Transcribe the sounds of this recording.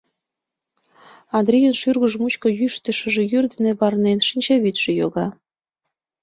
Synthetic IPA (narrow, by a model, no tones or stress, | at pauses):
ɑnd̪ɾʲijənʃyrɣə̆ʒmut͡ɕkŏjyʃt̪əʃə̆ʒĕjyrd̪ə̆nĕβɑrnenʃinʲt͡ɕɑβyt̪ʒ̥ĕjoɣɑ